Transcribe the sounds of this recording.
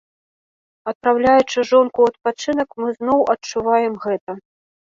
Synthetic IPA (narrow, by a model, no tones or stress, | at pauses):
ɐt̪̚pɾawlʲajut͡ʂɨʐɔnkuɐt̪̚pat͡ʂɨnɐkmɨznɔwʔɐt͡ʂuvajɛmɣɛt̪ɐ